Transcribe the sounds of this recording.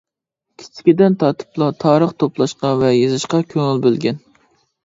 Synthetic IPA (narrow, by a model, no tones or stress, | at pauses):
kʲʰi̥t͡ʃʰɪ̥kʲid̪ɛnt̪ʰɑt̪ʰɨ̥plˠɑt̪ʰɑːɾəχt̪ʰoplˠɑʃqɑvɛjezɨʃqɑkʲʰøŋɪlbølɡʲɛn